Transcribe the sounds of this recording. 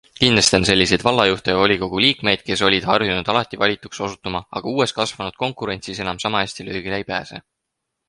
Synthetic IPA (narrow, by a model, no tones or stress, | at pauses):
kind̪lest̪ense̞lʲːisejd̪̥vɑlːɑjuht̪ejɑvo̞lʲiko̞ɡ̥uliːkme̞jd̪̥̚ke̞so̞lʲid̪̥hɑrjunud̪̥ɑlɑt̪ːˑivɑlʲit̪ːˑukso̞sut̪ːˑumɑɑ̰ɡ̥ɑuːe̞st̪kɑsvɑnud̪̥̚ko̞ŋkˑuɾe̞nt̪sise̞nɑmsɑmɑesʲt̪iløːɡ̥ilejpæːse̞̰